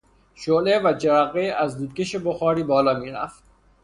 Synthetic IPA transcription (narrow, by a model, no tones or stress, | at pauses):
ʃolevæd͡ʒeɾæɣeæzd̪uːd̪̚kʲeʃeboxɒːɾiːbɒːlɒːmiːɾæ̰ft̪